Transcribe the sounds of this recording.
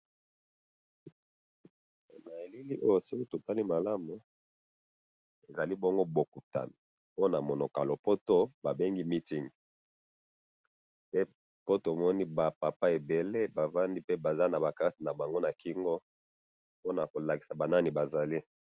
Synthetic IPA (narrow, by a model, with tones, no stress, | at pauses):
na˨e˨li˦li˦ʔo˦jo˦˨si˦ko˦to˨ta˦li˦ma˨la˦mu˨ | e˨za˨li˦bɔ˦ŋɡo˦bo˨ku˨ta̰˨ni˨ | po˦na˨mo˨no˨ka˨lo˨po˦to˦ba˨be˦ŋɡi˦mi˦ti˦ŋ˨ | pe˦ | po˦to˨mɔ˦ni˦ba˨pa˨pa˦e˨be˨le˦ba˨va˦ndi˦pe˦ba˨za˦na˨ba˨ka˦ti˨na˨ba˨ŋɡo˦na˨ki˦ŋɡo˦ | po˦na˨ko˨la˨ki˨sa˨ba˨na˦ni˨ba˨za˨li˦